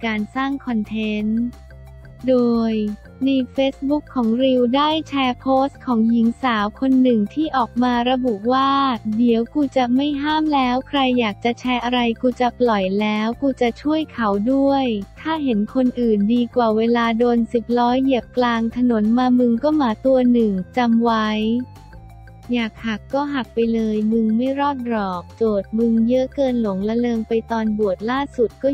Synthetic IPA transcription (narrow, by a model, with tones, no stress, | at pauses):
kaː˧nsaː˥˩ŋkʰɔ˧nt̪ʰe˦˥n | doː˧jː | i˧feː˦˥s̚bu˦˥kʰːɔː˩˦ŋɾi˧wdaː˥˩jt͡ɕʰɛː˧pʰoː˦˥st̪̚kʰɔː˩˦ŋji˩˦ŋsaː˩˦wkʰo˧nːɯ˨˩ŋt̪ʰiː˥˩ʔɔː˨˩k̚maː˧ɾa˧bu˨˩ʔwaː˥˩di˩˦əwkuː˧t͡ɕa˨˩ma˥˩jɦaː˥˩mlɛː˦˥wkʰɾa˧jːaː˨˩k̚t͡ɕa˨˩t͡ɕʰɛː˦˥ʔa˧ɾa˧jkuː˧t͡ɕa˨˩plɔ˨˩jlɛː˦˥wkuː˧t͡ɕa˨˩t͡ɕʰu˥˩əjkʰa˩˦wdu˥˩əjt̪ʰaː˥˩ɦe˩˦nkʰo˧nʔɯː˨˩ndiː˧kwaː˨˩weː˧laː˧doː˧nsi˨˩p̚ɾɔː˦˥jːi˨˩əp̚klaː˧ŋt̪ʰa˧no˩˦nmaː˧mɯ˧ŋkɔː˥˩maː˩˦t̪u˧ɐnɯ˨˩ŋt͡ɕa˧mwa˦˥j | jaː˨˩k̚ha˨˩kːɔː˥˩ɦa˨˩k̚pa˧jlɤː˧jmɯ˧ŋma˥˩jɾɔː˥˩t̪̚ɾɔː˨˩k̚t͡ɕoː˨˩t̪̚mɯ˧ŋjɯ˦˥kɤː˧nlo˩˦ŋla˧˥lɤː˧ŋpa˧jt̪ɔː˧nbu˨˩ət̪̚laː˥˩su˨˩t̪̚kɔː˥˩